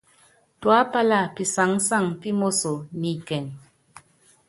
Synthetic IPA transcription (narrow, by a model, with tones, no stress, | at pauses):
twa˦pa˦la˦˨pi˨sa˨˦ŋ˦sa˦˨ŋpi˦mo˦so˨ni˨kɛ˨ŋ